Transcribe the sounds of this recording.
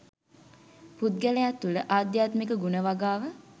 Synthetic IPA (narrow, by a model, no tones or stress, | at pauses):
put̪̚ɡæləjat̪ːuləʔaːd̪jaːt̪mikəɡunəʋaɡaːʋə